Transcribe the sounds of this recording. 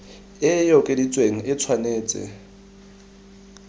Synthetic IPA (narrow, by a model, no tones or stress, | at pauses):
ɪjɔkʼɪdit͡sʼweŋ̩ɪt͡sʰwaneːt͡sʼɪ̰